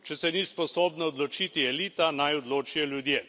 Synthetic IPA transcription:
t͡ʃɛsɛnispɔsoːbnaɔd̪lɔt͡ʃit̪iɛliːt̪anajɔd̪loːt͡ʃijɔljud̪jeː

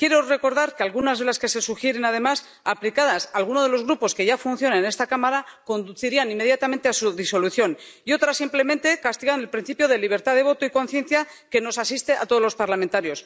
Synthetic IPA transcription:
kjeɾore̞ko̞ɾðaɾkealɣunazðe̞laske̞se̞suxjeɾe̞naðe̞mas | aplikaðasalɣ̞unoðelo̞zɣɾupo̞ske̞ʝafunθjo̞naene̞st̪akamaɾako̞nd̪uθiɾianimːe̞ð̞jat̪amẽnt̪e̞asuðiso̞luθjo̞n | io̞t̪ɾasimple̞mẽ̞nt̪e̞kast̪iɣand̪e̞lpɾin̟θipjo̞ð̞e̞liβ̞e̞ɾt̪aðe̞β̞o̞t̪oiko̞nθje̞n̟θja | ke̞no̞sasist̪e̞a̰t̪o̞ð̞o̞zlo̞spaɾlament̪aɾjo̞s

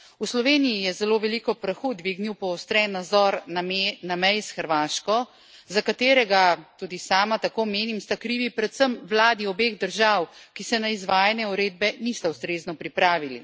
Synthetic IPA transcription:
uslɔʋeːnijijɛzɛloːʋɛlikɔpɾəxud̪ʋiːɡniwpɔːst̪ɾɛnːazɔɾnamɛjsxəɾʋaːʃkɔ | zakat̪eːɾɛɡat̪ud̪isaːmat̪akoːmeːnimst̪akɾiːʋipɾɛt̪səmwlaːd̪iɔbeɣd̪əɾʒawkisɛnaizʋaːjanjɛuɾeːd̪̚bɛnist̪awst̪ɾeːznɔpɾipɾaːʋilḭ

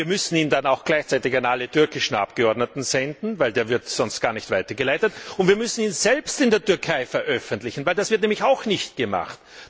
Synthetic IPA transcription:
viːɐmʏsn̩iːndanaʊxɡ̥laɪçt͡sæɪtɪçanʔalətʰʏɐkɪʃn̩ʔa̰p̚ɡ̥əɔɐdnətn̩z̥ɛndn̩vaɪldeːɐvɪɐtsɔnstɡ̥aːɐnɪçtv̥aɪtɐɡəlaɪtətʊntv̥iːɐmʏsn̩iːnzɛlpstɪndeːɐtʏɐkʰaɪfɛɐʔœfəntlɪçn̩vaæɪld̥asv̥ɪɐtnɛːmlɪçaʊxnɪçt̚ɡ̥əma̰χt

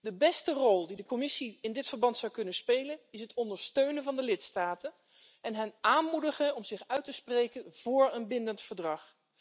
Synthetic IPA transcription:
dəbɛstərɔlˠdidəkɔmɪsiɪndɪtfəɹbɑntsɑwkɵnənspejlənɪsɦətɔndəɹstøɥnəvɑndəlɪtstaːtən | ɛnɦɛnaːnmudəχənɔmzɪχœɥtəsprejkənv̥ʊːɹənbɪndəntfəɹdrɑχ

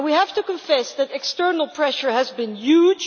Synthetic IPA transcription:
wihæftukə̃ɱfɛsðɨtɛkstɜ˞nəl̩ˠpʰɹɛʃə˞ɦɨzbɪ̃njud͡ʒ

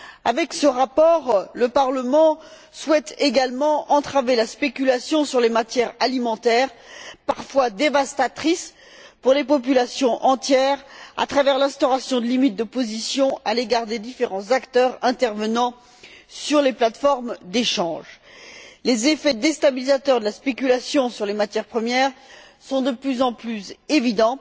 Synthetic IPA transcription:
avɛksəʁapɔːʁləpaʁləmɑ̃ | swɛt̪eɡalmɑ̃ʔɑ̃t̪χavelaspekʲylasjɔ̃syʁlemat̪jɛʁalimɑ̃t̪ɛːʁpaʁfwad̪evast̪at̪χis | puʁlepɔp̬ylasjɔ̃ʔɑ̃t̪jɛʁa̰t̪χavɛʁlɛ̃st̪ɔʁasjɔ̃d̪əlimit̪̚d̪əpozisjɔ̃aleɡaʁd̪ed̪ifeʁɑ̃zakt̪œʁɛ̃t̪ɛʁvənɑ̃ | syʁleplat̪fɔʁmd̪eʃɑ̃ʒ | lezefɛd̪est̪abilizat̪œʁd̪əlaspekʲylasjɔ̃syʁlemat̪jɛʁpχəmjɛʁ | sɔ̃d̪əplyzɑ̃plysevid̪ɑ̃

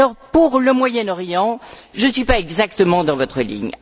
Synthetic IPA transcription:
lɔʁpuʁləmwajɛnɔʁjɑ̃ʒənsɥipaɛɡzak̚t̪əmɑ̃d̪ɑ̃vɔt̪χəlḭɲ

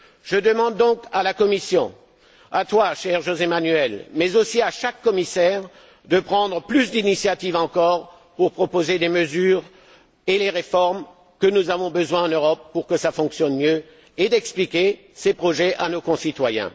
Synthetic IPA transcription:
ʒ̥əd̪əmɑ̃d̪ːɔ̃kalakɔmisjɔ̰̃ | at̪waʃɛʁʒozemanyɛlmɛzosiaʃakːɔmisɛʁ | d̪əpχɑ̃d̪ʁəplysd̪inisjat̪ivɑ̃kɔʁ | puʁpχɔpozed̪eməzyːʁ | eleʁefɔʁm | kənuzavɔ̃bəzwɛ̃ɑ̃nøʁɔpːuʁkəsafɔ̃ksjɔnmjø | ed̪ɛksplikʲe | sepχɔʒɛʔanokɔ̃sit̪wajɛ̰̃

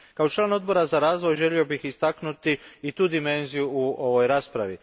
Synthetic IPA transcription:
kao̞t͡ʃlˠaːno̞d̪̚bo̞ɾazaɾaːzʋo̞jʒe̞lio̞bixist̪aknut̪iit̪uːd̪ime̞nzijuuʔo̞ʋo̞jɾaːspɾaʋi

